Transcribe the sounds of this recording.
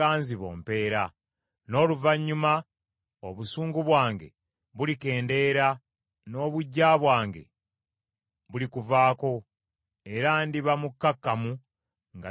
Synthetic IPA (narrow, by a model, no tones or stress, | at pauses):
aːnziβo̞̰ːmpe̞ːɾa | no̞ːluvaɲːuma | oβusuːŋɡuβwaːŋɡe̞̰ | βulike̞ːnde̞ɾa | no̞ːβuɟːaːβwaːŋɡe̞̰ | βulikuvaːko̞ | e̞ɾandiβamukːakːamu | ŋɡa